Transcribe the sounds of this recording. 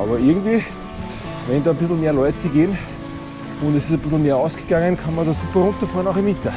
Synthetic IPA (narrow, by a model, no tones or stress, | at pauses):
ʔɑ̰ːbɐɪɐɡŋ̩tviː | ʋɛndɑːb̥ɪsl̩ˠmeːɐlɔʏtəɡeːn | ʊndɛsɪsɐb̥ɪsl̩meːɐaʊsɡ̥ɪɡ̥aŋənkʰanmɐdɑːsuːpɐɾʊntɐfɑːnaʊxɪmɪtə